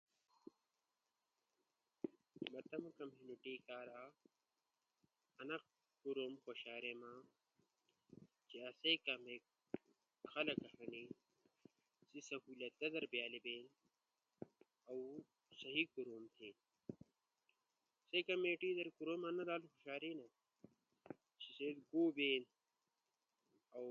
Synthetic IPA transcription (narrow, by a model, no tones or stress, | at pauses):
mɐt̪ɐmɐkɐmjuːniʈiːkaːɾaː | ɐnɐq̚ | kuɾomkoɕaːɾemã | t͡ʃiɐsekɐme | kʰɐlɐkɐɦɐni | sisɐɦuːlɐt̪̚ːɐd̪ɐɾbjaːlibeːn | ɐw | sɐɦikuɾomt̪ʰeːn | sekɐmeːʈid̪ɐɾkuɾomanɐd̪aːlxoɕaːɾiːnɐ | t͡ʃised̪ɡoːbeːn | ɐw